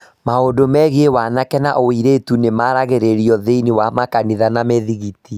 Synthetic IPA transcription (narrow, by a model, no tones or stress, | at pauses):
maondomɛɣewanakɛnaʔoiɾetunemaɾaɣeɾeɾiɔðeinewamakaniðanameðiɣiti